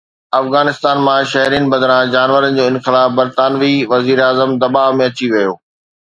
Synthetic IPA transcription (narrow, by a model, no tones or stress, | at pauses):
ɐfɣaːnɪst̪aːnmãʃɐɦɾiːnɪ̆bɐd̪ɾãd͡ʑaːnʋəɾənɪ̆d͡ʑoːɪnxɪlaːfbɐɾt̪aːnʋiʋɐziːɾaːzəmd̪ɐbaːmẽɐt͡ɕiʋɐjoː